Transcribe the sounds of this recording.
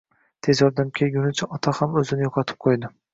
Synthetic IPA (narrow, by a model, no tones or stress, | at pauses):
t̪ʰe̞zjɒɾd̪amkʲʰelɡʲʊnɪt͡ʃʰaʔɒt̪ʰahamɵzɪnɪjoqʰɑt̪ʰɪ̥p̚qʰojd̪ɪ